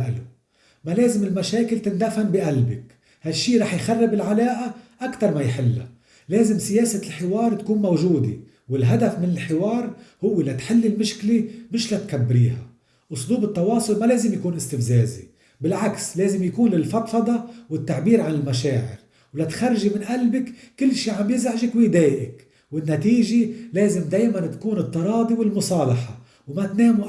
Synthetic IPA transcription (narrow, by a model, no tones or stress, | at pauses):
ʔɪlu | maleːzɪmɪlmaʃeːkɪlt̪ɪnd̪afambɪʔalbɪk | haʃːiːɾˤɑːħjxarˤːɪbɪlʕalaːʔaʔakt̪ɑɾˤmajħɪlːa̰ | leːzɪmsɪjeːsalħɪwɑːɾˤt̪kuːnmawʒuːd̪ḛ | wɪlɦad̪afmɪnɪlħɪwɑːɾˤhʊwːelat̪ħɪlːɪlmɪʃklemɪʃlat̪kabːɾiːha̰ | ʔʊsˤluːbɨt̪ˤːɑwɑːsˤʊlmaleːzɪmjakuːnʔɪst̪ɪfzeːzḭ | bɪlʕaksleːzɪmjakuːnlɪlfɑt̪fɑd̪ˤɑwɪt̪ːaʕbiːɾʕanɪlmaʃeːʕɪ̰ɾ | wlat̪xarˤːʒimɪnʔalbɪkːɪlːʃiːʕambjɪzʕɪʒɪkwɪd̪eːʔɪk | wɪnːat̪iːʒeleːzɪmd̪eːjmant̪ḁkuːnɨt̪ˤːɑɾˤɑːd̪ˤiwɪlmʊsˤɑːlɑħɑ | wmat̪neːm